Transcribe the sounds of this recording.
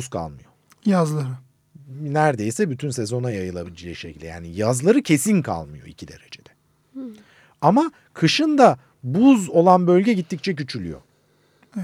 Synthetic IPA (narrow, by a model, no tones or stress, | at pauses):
uzkʰa̰lˠmɯjo | jazlˠaɾɯ | næɾd̪e̞jsɛbyt̪ʰynse̞zo̞najajɯlˠabilʲid͡ʒeʃecʰʲilʲd̪ʲɛja̰ːnijazlˠaɾɯcʰe̞sinkʰa̰lˠmɯjo̞̰icʰid̪e̞ɾe̞d͡ʒed̪ɛ | ama | kʰɯʃɯnd̪a | buzo̞lˠanbø̞lʲɟɛɟit̪ʰːic̚t͡ʃʰɛc̬yt͡ʃʰylʲy̰jo̞̰ | ɛ